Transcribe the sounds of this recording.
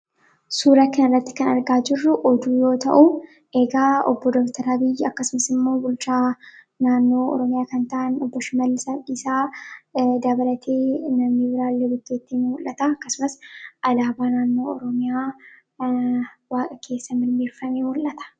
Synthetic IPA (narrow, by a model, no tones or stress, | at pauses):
suːɾɐkɐnɪrːɐt̪ːɪ̥kɐnɐɾɡaːd͡ʒɪrːʊʔɔd̪uːjo̞ːt̪ɐ̰ʔʊ | ʔeɡaːɔ̰bːɔd̪ɔbt̪ɐɾɐbɪjɐkːɐsʊmɐsɪmːo̞ːbʊlt͡ʃaː | naːnːo̞ːɔ̰ɾɔmɪjaːkɐnt̪ɐʔɐnɔbːɔʃɪmɐlːɪsɐɪsaː | d̪ɐbɐlɐt̪ʰeːnɐmniːbɪɾaːlːeːɡʊt̪ːeːt̪ːinmʊlʔɐt̪aːɐkːɐsʊmɐsʔɐlaːbaːnaːnːo̞ːɔ̰ɾɔmɪjaː | waːkʼɐkʰe̞ːsːɐmɪɾmiːɾfɐmeːmʊlːɐt̪ɐ̥